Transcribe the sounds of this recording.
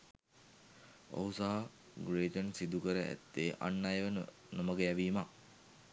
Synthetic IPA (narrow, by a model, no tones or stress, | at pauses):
o̰ɦusaɦa | ɡɾeːʈ̪ənsid̪ukəɾəʔæ̰t̪ːeːʔa̰nːajʋən | noməɡəjæʋiːma